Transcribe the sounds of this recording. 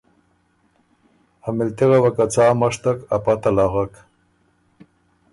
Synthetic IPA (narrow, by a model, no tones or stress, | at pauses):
hamɪlt̪iɣawakat͡saːmaʂt̪akapat̪alaɣak